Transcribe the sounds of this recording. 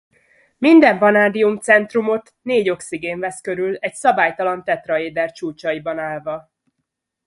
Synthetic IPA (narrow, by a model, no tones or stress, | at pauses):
mind̪ɛɱbɒnaːd̪iumt̪sɛnt̪rumo̞t̪neːɟo̞ksiɡeːɱvɛskø̞ɾylɛcsɒbaːjt̪ɒlɒnt̪ɛt̪rɒeːd̪ɛrt͡ʃuːt͡ʃɒibɒnaːlvɒ